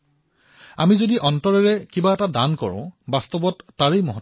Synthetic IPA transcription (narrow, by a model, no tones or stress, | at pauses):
amizodiʔɔntɔɹɛɹɛkibaɛtadankɔ̰ɹʊ̰̃bastɔbɔtːaɹejmɔɦɔ